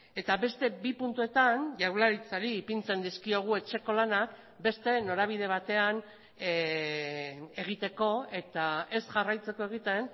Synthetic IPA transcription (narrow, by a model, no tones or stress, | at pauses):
e̞t̪aβe̞st̪e̞bipunt̪ue̞t̪anʝawlaɾit͡saɾiːpint͡se̞nd̪iskio̞ɣ̞ue̞t͡ʃe̞ko̞lanak | be̞st̪e̞no̞ɾaβ̞iðe̞β̞at̪e̞an | e̞ɣ̞it̪e̞ko̞e̞t̪ae̞sʝarajt͡se̞ko̞e̞ɣ̞it̪e̞n